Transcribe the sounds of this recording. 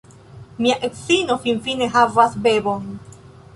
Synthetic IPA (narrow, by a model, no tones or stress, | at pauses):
miaʔeksino̞finfine̞ɦavasbe̞bon